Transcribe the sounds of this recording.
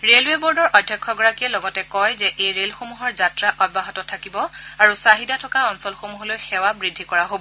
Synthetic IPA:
ɹelwebɔɹdɔɹʔɔdʱjɔkʰːɔɡɔɹakijɛlɔɡɔtɛkɔjzɛʔejɹelxomuɦɔɹzatɹaʔɔd̚baɦɔtɔtʰakibɔaɹusaɦidatʰɔkaɔnsɔlxomuɦɔlojxɛwabɹidʱikɔɹaɦobɔ

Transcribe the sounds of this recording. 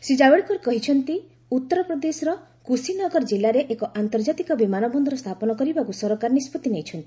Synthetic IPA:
sed͡ʒabeɭkɔɾkɔɦit͡ʃʰɔnt̪i | ut̪ːɔɾɔpɾɔd̪esɔɾɔ | kusinɔɡɔɾɔd͡ʒilaɾeʔekɔʔant̪ɔɾd͡ʒat̪ikɔbimanɔbɔnd̪ɔɾɔst̪ʰapɔnɔkɔɾibakusɔɾɔkaɾɔnispɔt̪inejt͡ʃʰɔnt̪ii̥

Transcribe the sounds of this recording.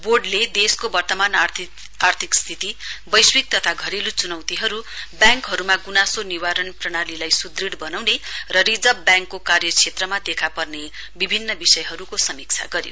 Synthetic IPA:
borɖled̪eskobʌrt̪ʌman | art̪ʰikst̪ʰit̪ibʌjswik̚t̪ʌt̪ʰaɡʱʌɾilut͡sunʌwt̪iɦʌɾubjãŋkɦʌɾumaɡunasoniwaɾʌnprʌɽ̃alilajsud̪riɽbʌnawnerʌrid͡zʌbbjãŋkːokarjʌt͡sʰet̪rʌmad̪ekʰapʌrne | bibʱinːʌbisʌjɦʌɾukosʌmik̚t͡sʰa̰ɡʌɾjo̰

